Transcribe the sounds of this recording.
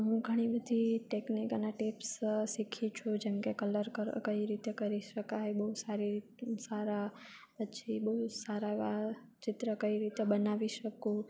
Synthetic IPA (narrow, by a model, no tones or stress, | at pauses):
ɦũɡʱəɽ̃ibəd̪ʱiʈeknikəneʈipssikʰĩt͡ʃʰud͡ʒemkekələɾkəkəiɾit̪ekəɾiʃəkajbəɦusaɾi | saɾapət͡ʃʰibəɦusaɾaʋa | t͡ʃɪt̪ɾəkəiɾit̪ebənaʋiʃəkũ